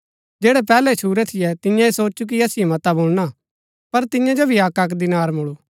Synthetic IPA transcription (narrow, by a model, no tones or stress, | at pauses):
d͡ʒeːɽɛpɛːlɛt͡ʃʰuːɾɛt̪ʰɪjɛt̪ɪjãeːsoːt͡ʃuk̬iɐsɪjɛmɐt̪aboːlna | pɐɾt̪ɪ̃jãd͡ʒobʱiaːkak̬d̪ɪnaːɾmʊɭuː